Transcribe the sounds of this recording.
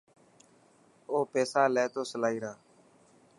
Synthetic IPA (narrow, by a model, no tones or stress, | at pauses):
oːpeːsaːlɛːt̪oːsəlaːiːɾaː